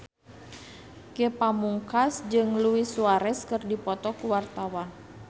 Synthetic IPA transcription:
kepamuŋkasd͡ʒɨŋluisuaɾɛskɨrdipɔt̪ɔkuwart̪awan

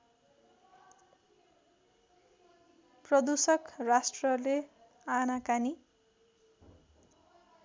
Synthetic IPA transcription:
prʌd̪usʌkrasʈrʌle | anakani

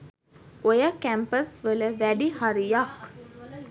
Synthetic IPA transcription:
ojəkæmpəsʋələʋæɖihaɾijak

